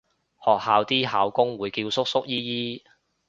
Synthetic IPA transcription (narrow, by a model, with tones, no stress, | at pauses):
hɔː˨k̚haː˨˧wt̪iː˥ɦaː˨˧wkʊ˥ŋwuː˨˧jkiː˧wsʊ˥k̚sʊ˥k̚jiː˥jiː˥